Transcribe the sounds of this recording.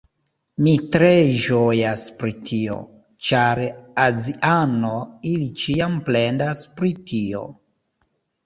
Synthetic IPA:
mitɾeʒojaspɾitʰio̞̰ | t͡ʃaɾaziʔano̞ilit͡ʃiample̞ndaspɾitʰio̞̰

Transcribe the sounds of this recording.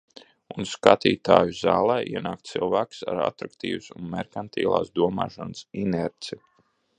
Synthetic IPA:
unskat̪iːt̪aːjuzaːlˠɛːʔiɛnaːk̚t̪silˠvæːksaɾa̰t̪ɾakt̪ḭːvsunmɛɾkant̪ʰiːlˠa̰ːsd̪uɔma̰ːʃansinɛɾt̪si

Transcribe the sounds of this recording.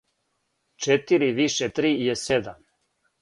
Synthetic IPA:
t͡ʃet̪iɾiʋiʃet̪ɾiːjesed̪am

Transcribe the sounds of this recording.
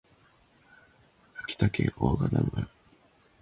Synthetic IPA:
akʲi̥t̪akẽoːɡad̪aɡɯ

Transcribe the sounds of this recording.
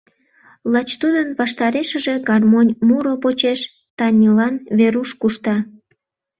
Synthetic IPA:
lɑt͡ɕt̪ud̪ənβɑʃt̪ɑɾeʃəʒe̽ɡɑrmonʲmuɾopot͡ɕeʃ | t̪ɑnʲilɑnβeɾuʃkuʃt̪ɑ

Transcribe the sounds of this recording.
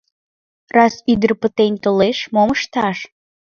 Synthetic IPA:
rɑsyd̪ərpət̪enʲt̪oleʃmoməʃt̪ɑʃ

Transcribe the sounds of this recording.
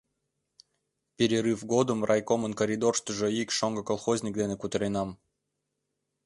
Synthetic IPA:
pʲeɾʲiɾɨfɡod̪əmrʔɑjkomənkoɾʲid̪orʂt̪əʒə̆ikʂoŋɡə̆kolˠxozʲnʲik̚d̪enekut̪ɾʲenɑm

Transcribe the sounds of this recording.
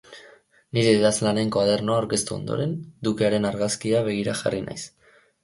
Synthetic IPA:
niɾe̞ːðazlane̞ŋkaðe̞ɾno̞aowɾke̞st̪uo̞̰nd̪o̞̰ɾe̞nd̪ukeaɾe̞naɾɣaskiaβe̞ɣ̞iɾaxa̰rina̰js

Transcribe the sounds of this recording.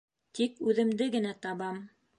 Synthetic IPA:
t̪ikʉðɘ̆md̪ɘɡɘ̆næt̪ɑβɑm

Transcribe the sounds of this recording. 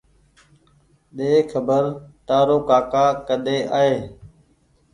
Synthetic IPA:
ɗeːkʰəbəɾt̪aːɾoːkaːkaːkəɗ̪eːʔaːɦeː

